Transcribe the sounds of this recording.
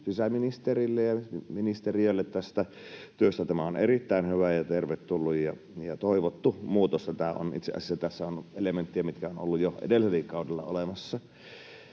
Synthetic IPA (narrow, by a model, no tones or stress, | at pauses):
sisæminist̪erilːejjɑminist̪erioelːet̪t̪æst̪æ | t̪yøst̪æt̪æmæonḛrit̪ːæinhyʋæjɑt̪erʋet̪t̪ulːujjɑ | jɑt̪oˑiʋot̪ːumuːt̪ost̪ɑt̪æo̰nʔḭt̪sḛʔɑ̰sisːæt̪æsːæonelement̪ːiæmit̪kæono̰lːujjoʔḛdelːˑiselikkɑˑudelːɑ̰o̰lemɑsːɑ